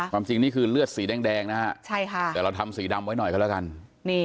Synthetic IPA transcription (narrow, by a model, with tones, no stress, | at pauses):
kwaː˧mt͡ɕi˧ŋniː˥˩kʰɯː˧lɯ˥˩ət̪̚siː˩˦dɛː˧ŋdɛː˧ŋna˦˥a˧˩t͡ɕʰa˥˩jkʰa˥˩ɛː˧˩ɾa˧wt̪ʰa˧msiː˩˦da˧mwa˦˥jnɔ˨˩jka˧˩lɛː˦˥˩ka˧nniː˥˩